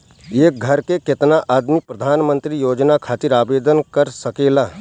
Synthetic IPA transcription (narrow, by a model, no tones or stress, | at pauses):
eːk̚ɡʱəɾkekɪt̪naʔaːd̪mipɾɐd̪ʱaːnmə̃nt̪ɾijoːd͡ʒnakʰaːt̪ɪɾaːbeːd̪ənkəɾsəkeːlaː